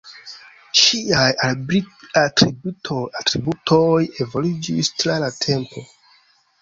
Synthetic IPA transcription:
ʃiajaiatɾibutʰojatɾibutʰojevolid͡ʒistlalatʰe̞mpʰo̞

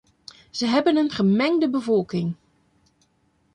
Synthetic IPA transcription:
z̥əɦɛbənənχəmɛŋdəbəvɔlˠkɪŋ

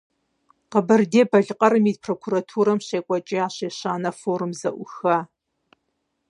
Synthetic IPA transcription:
qəbɐrdeːbɐɮɨqʼɐɾɨmiːd̚pʰroːkʷʰuɾɐtʰuːɾɐmɕeːkʷʼɐt͡ʃʼiaːɕeːɕaːnɐfoːɾɨmzɐʔʷʊxɐ

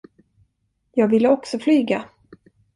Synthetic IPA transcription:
jɑːɡvɪlːəɔksɔflyːɡa

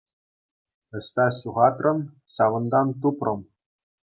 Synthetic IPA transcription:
ɘ̆ɕʲt̪ɑsuʁɑt̪rɤ̆n | ɕɑʋɤ̆nd̪ɑnt̪̬uprɤ̆m

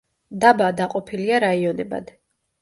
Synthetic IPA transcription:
d̪abad̪aqʼɔpʰiliaɾaiɔnɛba̰d̪

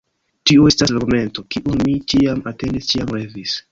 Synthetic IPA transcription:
tioe̞staslaɡume̞nto̞kiʔunmit͡ʃiamate̞ndist͡ʃiamɾevis

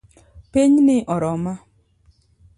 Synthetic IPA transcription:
peɲnɪʔɔɾɔma

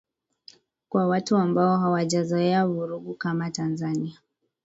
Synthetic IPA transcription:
kwawatuambaɔɦawaʄazɔɛavuɾuɡukamatanzania

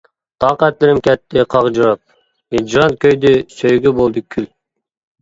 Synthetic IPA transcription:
t̪ʰɑːqæt̪lɪɾɪmkʲʰɛt̪ːɪqʰɑqd͡ʒuɾɑp̚ | ed͡ʒɾɑnt̪̚kʲʰøjd̪ɪsøjɡʲybolˠd̪ɪkʲʰyl

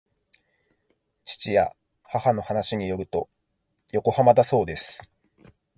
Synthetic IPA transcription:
t͡ɕi̥t͡ɕija̰ | hahano̞hanaɕiɲ̟ijo̞ɾɯ̟t̪o̞ | jo̞ko̞hamad̪aso̞ːd̪e̞sɨ̥

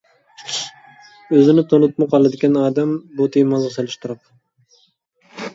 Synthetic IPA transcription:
øzɪnɪt̪ʰonut̪̚mɑqɑlˠɨd̪ɪkʲɛnɑːd̪ɛmbut̪ʰejmɑzʁɑselˠɪʃt̪uɾɨp

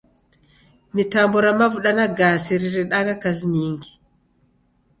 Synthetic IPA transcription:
mitambɔɾamavuɗanaɡaːsiɾiɾɛɗaɡakas̬niːŋɡi

